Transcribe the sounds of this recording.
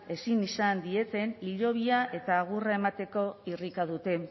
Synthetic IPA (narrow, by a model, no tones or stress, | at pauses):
e̞sinisand̪ie̞t̪e̞niʎo̞β̞iaʔe̞t̪aːɣ̞urae̞mat̪e̞ko̞irikað̞ut̪e̞